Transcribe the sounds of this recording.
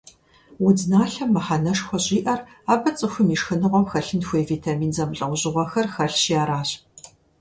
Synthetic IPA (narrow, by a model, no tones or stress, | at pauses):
wʊd͡znaːɬɐmːɐħɐnɐʂxʷɔɕʼiːʔɐr | aːbɐt͡sʼɨxʷʊmiʃxɨnɨʁʷɔmxɐɬɨnxʷeːviːtʰamiːnzɐmɬʼɐwʷʊʑɪʁʷɔxɐrxɐɬʃjaːɾaːɕ